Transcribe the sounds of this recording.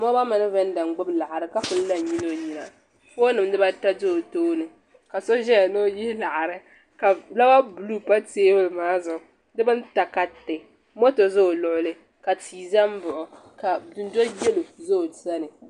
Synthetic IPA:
mɔ˦ba˦mɨ˨nɨ˦vɛ˦n˦da˨ŋ˨ɡ͡bʊ˦bla˨ʔa˨ɾɨ˨ka˦fʊ˦n̩˦la˨ɲi˦no˦˨ɲi˨na˨ | ko˦nɨ˨m˦dɨ˦ba˦ta˦do˦o˨toː˦nɨ˨ | ka˨so˦ʒɛ˦ja˨no˦ji˦la˨ʔa˨ɾɨ˦ | ka˨la˦ba˦bu˨lu˦pa˦teː˦bʊ˦lmaː˦zʊ˨ʔʊ˨ | dɨ˦bɨ˦n˦ta˨ka˨tɪ˨ | mo˦to˨zo˦˨lʊ˨ʔʊ˦lɨ˦ | ka˨tʰiː˨za˦m˦bʊ˨ʔʊ˨ | ka˨dʊ˨n˦do˦jɛ˦lo˨zo˦o˨sa˦nɨ˨

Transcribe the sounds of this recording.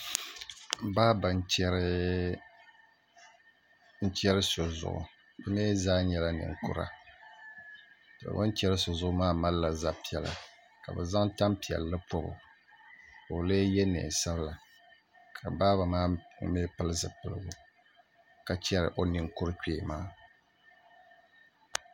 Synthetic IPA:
baː˦ba˨n˦t͡ʃɛ˦ɾɪ˦ | n̩˦t͡ʃɛ˦ɾɨ˦so˨zʊ̰˨ʔʊ̰˨ | bɨ˦neː˦zaː˦ɲɛ˦la˦nɨ̰˨ŋ˨kʊ̰˦ɾa̰˦ | tɨ˨a̰˨ba˦n˦t͡ʃɛ˦ɾɨ˦so˨zʊ˦ʔʊ˦maː˦ma˦lla˨za˦pi˦ɛ˨la̰˨ | ka˨bɨ̰˨za˦ŋta˦mpi˨ɛ̰˨lːɨ˦po˦bʊ̰˨ | o˨le˦jɛ˦nḛ˨sa˦bla˨ | kʰa˨baː˦ba˨maː˦me˦pɨ˦lɨ˦zɨ˨pɨ˨lɨ˦˨ɡʊ˨ | ka˨t͡ʃɛ˦ɾɨ̰˨ʔo˨nɨ˨ŋkʊ˦ɾɨ˦kᶣeː˨maː˦

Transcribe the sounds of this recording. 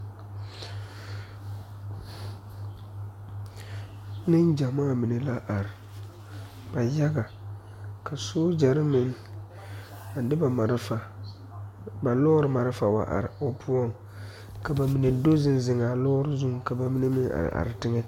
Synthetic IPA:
nɪ˦nd͡ʒa˨ma˦˨mi˨ne˨la˦ʔa˨ɾɪ˨ | ba˨ja˦ɡa˨ | ka˨soː˦d͡ʒa˨ɾɪ˦mɪ˦ŋ˦ | a˨n˦dɪ˦ba˨ma˨ɾa˨ | ba˨lɔː˦ɾɨ˨ma˨ɾɪ˦fa˨wa̰˨ʔa̰˨ɾo˨pu˦ɔ˦˨ŋ | ka˨ba˨mi˨ne˨do˦zɪ˦n˦zɪ˨ŋa˨lɔ˦ɾɪ˦zu˦ŋ˨ka˨ba˨mi˦ne˦mɪ˦ŋa̰˨ɾɪ̰˨ʔa̰˨ɾɪ˨tɪ˦ŋɛ˦

